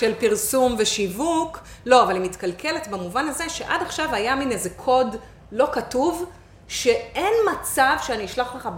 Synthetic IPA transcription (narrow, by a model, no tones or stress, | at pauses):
ʃelpiʁsumveʃivuklo̞avalimit̪kalkʰe̞let̪bemuvanazeʃe̞ʔadaχʃavajaminezekʰo̞d | lo̞katuv | ʃe̞e̞nmat͡savʃeaniiʃlaχkaχab